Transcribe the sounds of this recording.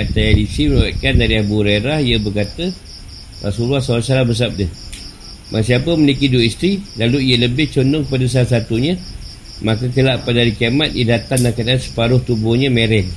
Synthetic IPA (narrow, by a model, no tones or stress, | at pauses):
at̪ajadisimənawaʔkandaɾiabuɾeɾahiəbərkat̪ə | wa̰suluahsawasalahbəs̬ap̚dəh | mʔasiapəmənikiduist̪ɾilaluiələbɪht͡ʃondʊŋkəpadəs̬alas̬at̪uɲə̃ | mãkəkəlaʔpadaɾikiamat̪̚idat̪anːakadansə̥paɾʊht̪ubʊhɲə̃mẽɾɛn